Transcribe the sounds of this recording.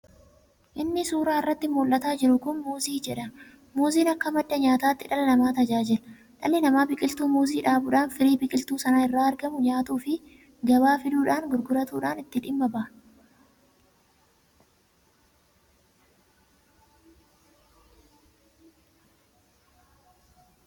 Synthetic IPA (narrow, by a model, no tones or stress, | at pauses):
ʔɪnːɪsuːɾaːɪrːɐt̪ːɪmoːlʔɐt̪aːd͡ʒɪɾʊkʊnmuːziːd͡ʒɛᶑɐ | muːziːnɐkːɐmɐd̪ːɐɲaːt̪aːt̪ːɪᶑɐlɐnɐmaːt̪ɐd͡ʒaːd͡ʒɪl | ᶑɐlɪnɐmaːbɪkʼɪlt̪uːmuːziːᶑaːbʊᶑaːnfɪɾiːbɪkʼɪlt̪uːsɐnaɪrːaːɐɾɡɐmʊɲaːt̪uːfɪ | ɡɐbaːfɪd̪uːᶑaːŋɡʊɾɡʊɾɐt̪uːᶑaːnɪt̪ːɪᶑɪmːɐbaːʔ